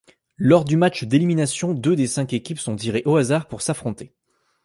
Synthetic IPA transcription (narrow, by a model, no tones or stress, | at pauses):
lɔʁd̪ymat͡ʃd̪eliminasjɔ̃d̪ød̪esɛ̃kekʲipsɔ̃t̪iʁeʔoazaʁpuʁsafχɔ̃t̪e